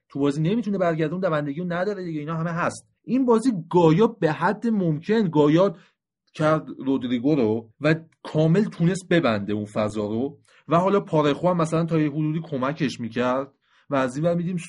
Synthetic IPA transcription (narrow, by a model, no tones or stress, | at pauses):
t̪ʰubɒːziːne̞mit̪ʰunebæɾɟæɾd̪eund̪ævænd̪eɡiɾonæd̪ɒːɾed̪iɟeiːnɒːɦæmeɦæst̪̚ | ʔinbɒːziːɡɒːjɒːbeɦæd̪ːemomcʰe̞nɡɒːjɒːd̪ | cʰæɾd̪ɾod̪ɾiɡoɾovæ | kʰɒːme̞lt̪ʰune̞st̪̚be̞bænd̪eunfæzɒːɾo̞ | væhɒːlɒːpʰɒːɾexuæmːæsælænt̪ʰɒːjeɦod̪uːd̪iːkʰo̞mæcʰe̞ʃmiːcʰæɾd̪̥ | væːzinvæɾmiːd̪iːm